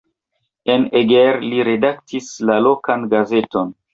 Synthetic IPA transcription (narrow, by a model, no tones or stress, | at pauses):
e̞neɡeɾliɾe̞dak̚tislalo̞kanɡaze̞to̞n